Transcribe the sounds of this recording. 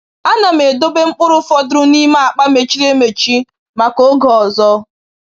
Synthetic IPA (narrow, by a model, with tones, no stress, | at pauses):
a˦na˨m̩˨e˨do˦be˦ŋ͡m̩˦k͡pʊ˦ɾʊ˦fɔ˦dʊ˦ɾʊ˦ni˦ma˦a˨k͡pa˦me˨t͡ʃi˦ɾe˦me˨t͡ʃi˦ | ma˨ko˦ɡɔ˨ɔ˨zɔ˦